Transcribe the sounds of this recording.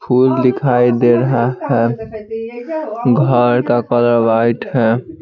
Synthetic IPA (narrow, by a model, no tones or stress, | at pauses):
pʰulːikʰajd̪eɾəɦaɦɛ | ɡʱəɾkakəɾəbajʈʰɦɛ